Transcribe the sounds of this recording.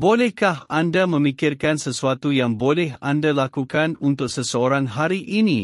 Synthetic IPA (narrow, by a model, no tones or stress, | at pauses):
bolɛhkahandamə̃mikɪrkansəsuat̪ujaŋbolɛɦandalakukanunt̪ʊk̚səsəoɾãŋɦaɾiʔinĩ